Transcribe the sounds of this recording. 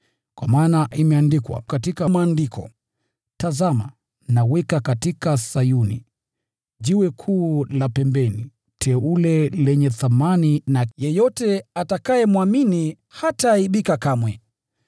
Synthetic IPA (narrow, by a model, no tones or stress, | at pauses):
kwamaːnaʔimɛandikwa̰katikamaaːndikʰɔ̰ | tazama | nawɛkakatikasajunḭ | ʄiwɛkʰuːlapɛmbɛni | tʰɛulɛlɛɲɛθamaninajɛjɔtɛatakajɛmwamini | hataiɓikakamwɛ